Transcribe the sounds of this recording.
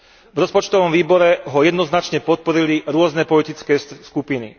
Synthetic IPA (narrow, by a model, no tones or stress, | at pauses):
vɾɔspɔt͡ʃt̪ɔʋɔmʋiːbɔɾɛɦɔjɛd̪nɔznat͡ʃɲɛpɔt̪̚pɔɾiliɾʊɔznɛpɔlit̪it͡skɛːskupinḭ